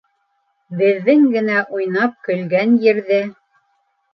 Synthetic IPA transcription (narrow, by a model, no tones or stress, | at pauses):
bɘ̆ðːɘŋɡɘ̆næʔujnɑp̚kɵ̆lɡænjɘ̆ɾðɘ